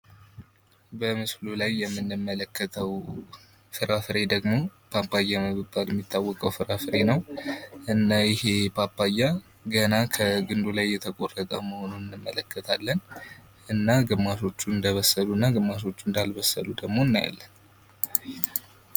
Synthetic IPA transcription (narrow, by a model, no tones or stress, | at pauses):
bəmɨslulajːɛmːɨnːɨmːələkʰːət̪ʰəw | fɨɾafɨɾe̞d̪əɡmopʰapʰːajːaməβɨbːaljɛmːit̪ʰːawːɔkʼəwfɨɾafɨɾe̞nəwʔɨnːajɪhe̞pʰapʰːajːa | ɡənakʰəɡɨnd̪ulajːɛt̪ʰəkʼo̞rət̪ʼəməho̞nunɨnːɨmːələkʰːət̪ʰalːən | ʔɨnːaɡɨmːaʃo̞t͡ʃːuɨnd̪əβəsːəluɨnːaɡɨmːas̬o̞t͡ʃːuɨnd̪alβəsːə̰lud̪əɡmo̞ɨnːaja̰lːən